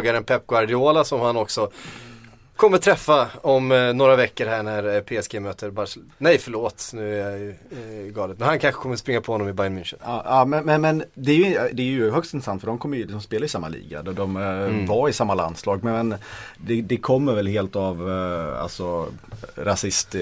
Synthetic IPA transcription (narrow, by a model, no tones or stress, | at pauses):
ɡaɾənpʰɛp̚ːɡwaɾɖɪoːlasɔmhanɔksɔ | kʰɔmːəɾt̪ʰɾɛfːaɔmnoːɾavɛkːəɾɦæɳæɾpʰeːɛsɡeːmøːt̪ʰəɾbas | nɛjfœɭoːt̪nʉ̟ːæɾjaj | ɡɑːlət̪mɛnhankʰanxə̥kʰɔmːəɾspɾɪŋːapʰɔhɔnːɔmɪbajənmɪnʂənːɑːmɛnmɛnmɛnd̪ɛæjʏɪd̪ɛæɾjɵɦœkst̪ɪnɾəsant̪fœɖɔmkʰɔmːəjʏlɪksɔmspeːlaɪsamːa̰lḭːɡa̰d̪ɔd̪ɔmvaɾɪsamːala̰nslɑːɡ̚mɛnd̪ɛd̪ɛkʰɔmːəɾvɛlɦeːlt̪ava̰lsɔ | ɾasɪst̪